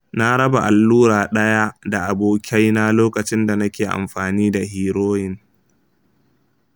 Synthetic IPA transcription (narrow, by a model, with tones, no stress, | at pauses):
na˦ɽɐ˦ba˨ʔa˨lːuː˦ɾaː˨ɗɐ˦ja˦da˨ʔa˨boː˨kʲʰa˦jna˦loː˦kɐ˨t͡ʃɪ˦nda˨nɐ˦kʲeː˨ʔa̰˨mɸaː˨niː˦da˨ɦiː˨ɾoː˦jɪ˨n